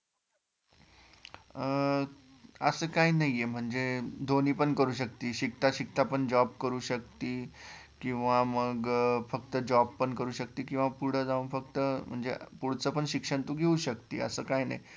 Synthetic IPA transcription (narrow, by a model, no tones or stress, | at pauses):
əsəːkainaɦijem̤əɳd͡zed̪ʱoniːpəɳkəɾuːɕ̬əkt̪iːɕikt̪aɕik̚t̪apəɳd͡ʑɔb̚kəɾuːɕək̚t̪iː | kĩw̃ʋaməɡfəkt̪əd͡ʑɔbpːəɳkəɾuːɕək̚t̪iːkĩw̃ʋapuɽ̤əd͡zaũnfəkt̪əm̤əɳd͡zepuɽ̤t͡səpəɳɕikʂəɳt̪uːɡʱeuɕəkt̪ḭːə̰səːkajna̰i